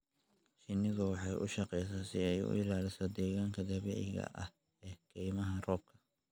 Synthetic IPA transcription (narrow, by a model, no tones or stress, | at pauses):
ʃɪnːɪðʊwɑħɑjʔʊʃɑqɛjs̬ɛsɪɛjʊ̰ʔɪlaːlɪsɔd̪ɛːɣaːŋkʰɐd̪ɐβɛ̰ːʕɪɣɐ̰ʔɐh | ɛːɡ̥ʰɛjmɐɦɐrɔːb̚kʰɐ̥